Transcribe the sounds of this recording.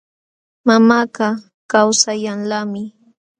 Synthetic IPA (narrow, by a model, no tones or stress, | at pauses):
mamaːɢɑ | kawsajaŋlamɪ